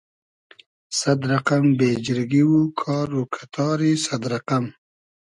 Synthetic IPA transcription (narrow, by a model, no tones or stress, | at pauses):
sad̪ɾaqambeːd͡ʒɪɾɡiwukʰɑːɾukʰḁt̪ʰɑːɾisad̪ɾaqam